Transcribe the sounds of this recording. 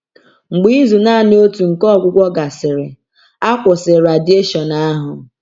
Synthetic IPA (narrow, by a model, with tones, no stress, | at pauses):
ŋ͡m̩˨ɡ͡bi˦zu˨na˦˨nɪ˦o˦tu˨ŋ̩˨kɔ˦˨ɡʷʊ˦kʷɔ˦ɡa˨sɪ˨ɾɪ˨ | a˦kʷʊ˨sɪ˨ɾa˨di˦e˦ʃɔ˨na˦ɦʊ˨